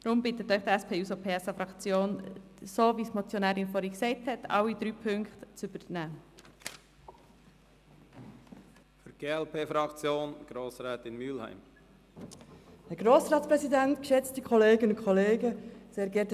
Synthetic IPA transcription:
d̥̪ɾʊmbɪtət̪œʏχd̥̪əæspʰeːuːsopʰeːsɑfɾɑkt͡sjoːnsoːʋismɔt͡sjonæːɾɪnfɔɾhiksɛɪthɛtɑ̰wid̥̪ɾyːpʰʏŋkχt̪t͡sʏb̥əɾnæː | fyɡ̥eːɛlpʰeːfɾɑkt͡sjoːnɡ̥ɾoːsɾɛːt̪ɪnmyːlhæ̰ɪm | hɛɾɡɾoːsɾɑːtspɾɛsidɛntkʃɛt͡stikʰɔleːɡənʊnkʰɔleːɡəseːɾɡɛt

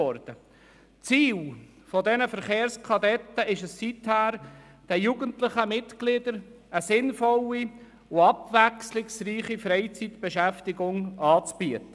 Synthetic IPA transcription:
ɔɾd̥ə | t͡siːl | fɔdɛnəfəɾχeːɾskʰɑdɛtːəɪʃəsːithæːɾ | d̥ɛjuɡəntlɪχəmɪtɡ̥lɪd̪əɾ | əsɪnfɔlːi | ʊɑbʋækslɪksriːχifɾɛɪt͡sit̪b̥eʃæftɪɡʊŋɑːt͡sb̥yətə

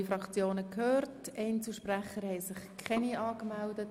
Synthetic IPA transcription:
ifɾɑkt͡sjoːnəkhøːrtɛɪnt͡suʃpræχəɾhɛɪsɪχkʰɛniɑːkmældət

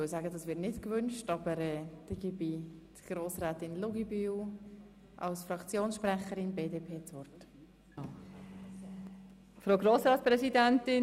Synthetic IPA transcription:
ølsaːɡədɑsʋɪtnɪtkvʏnʃtɑb̥əɾɛːd̥ɛɡ̥ibitɡ̥ɾoːsɾɛːtɪnlʊɡibyːw | ʔɑ̰lsfɾɑkt͡sjoːnsʃpɾɛχəɾɪnbeːdeːpʰeːt͡svɔrt | fɾoʊɡɾoːsɾɑːtspɾɛsidɛntɪ

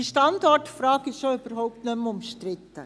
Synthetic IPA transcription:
iʃtɑndɔrtfrɑːɡɪjoyb̥əɾhɔʊp̚tnœmʊmʃtɾɪt̪ə

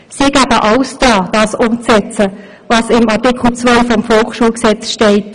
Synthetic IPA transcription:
siɡ̥æb̥əʔɑʊsd̥ɑːd̥ɑːsʊmt͡sɛt͡sə | ʋɑsɪmɑʁtikʰl̩t͡sʋœɪfɔmfɔlχʃuːlksɛt͡sʃtɛɪt

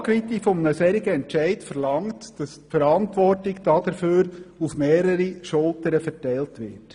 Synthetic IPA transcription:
kʋit̪ifɔmnəsɛɾɪɡəɛnt͡ʃɛɪtfəɾlɑŋtd̥ɑstfəɾɑntʋɔrtɪɡd̥ɑd̥əɾføːɾufmeːɾəɾiʃʊlˠtəɾəfɛɾtæɪltʋɪ̰ːt

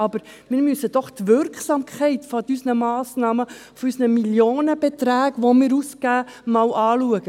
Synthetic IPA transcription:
ɑb̥əɾ | mɪːɾmysəd̥̪ɔχt̪ʋʏɾkχsɑmkʰχɛɪt̪fɔdysnəmɑːsnɑːməfɔysnəmiljoːnəb̥ɛt̪ɾæːɡʋomɪːɾuskæːmɑwʔɑːluəɡ̥ə

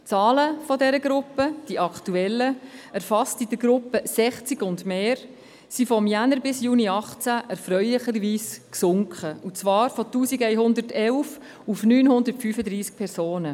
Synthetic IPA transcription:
t͡sɑːləfɔdɛɾəɡɾʊpːəd̥iʔɑktuɛlːəɛɾfɑstid̥əɡɾʊpːəsɛχt͡siɡʊndmeːɾ | sifɔmjænəɾbɪsjuːniɑχt͡sæʔɛɾfɾœʏlɪχəɾviːsksʊŋkχəut͡sʋɑːɾfɔtuːsiɡɛɪɦʊnd̪əɾtɛlf | ufnyːnhʊnd̪əɾtfyːfədɾiːsk̚pʰɛɾsoːnə

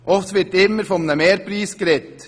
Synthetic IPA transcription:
ʔɔft̪ʋɪɾtɪmːəɾfɔmnəmeːɾpɾiːsɡ̥ɾɛt̪

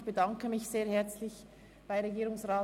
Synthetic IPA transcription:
b̥ədɑŋkəmɪçz̥eːɐhɛɐt͡slɪç | b̥aɪʁeɡiːɾʊŋsʁaː

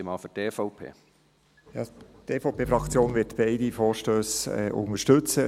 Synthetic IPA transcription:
ɪmɑːfydeːfoʊpʰḛː | jɑːtefoʊpeːfɾɑkt͡sjoːnvɪtb̥eɪdifɔːɾʃtøːsɛ̰ʔʊ̰ŋəʃtɵt͡sə

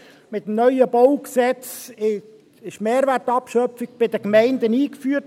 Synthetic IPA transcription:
mɪt̪əmnœjəbɔwksɛt͡sɪ | ɪʃmeːɾʋærtɑpʃœpfɪɡ̚b̥ɪdəkmɛɪnd̪əniːkfyːət

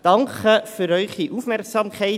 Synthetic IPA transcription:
d̥ɑŋkəfyɾœʏχiʔuːfmɛɾksɑːmkʰæɪ

